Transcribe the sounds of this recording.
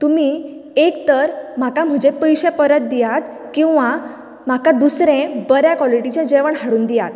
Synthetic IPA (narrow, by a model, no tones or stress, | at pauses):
t̪umiː | ekt̪əɾm̤akam̤əd͡ʑepəjɕẽpəɾət̪̚d̪ijat̪ | kĩw̃ʋa | m̤akad̪usɾẽbəɾjakʋɔliʈit͡ɕẽd͡ʑeʋəɳɦaɽuːnd̪ijat̪